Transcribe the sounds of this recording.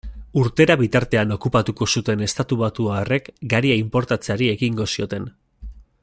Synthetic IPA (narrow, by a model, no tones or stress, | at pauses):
uɾt̪e̞ɾaβit̪aɾt̪e̞ano̞kupat̪uko̞sut̪e̞ne̞st̪at̪uβat̪uaore̞kɡaɾiaimpo̞ɾt̪at͡saɾie̞ɣiŋɡo̞sio̞t̪e̞n